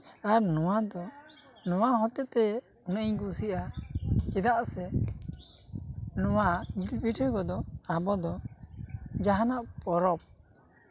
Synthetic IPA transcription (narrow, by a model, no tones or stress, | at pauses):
aɾnɔwad̪ɔnɔwaɦɔt̪ɛʔt̪ɛ | unʔɲɡusiʔat͡ʃɛd̪aʔsɛ | nɔwad͡ʒilpiʈɛkɔd̪ɔabɔd̪ɔ | d͡ʒaɦanaʔpɔɾɔp̚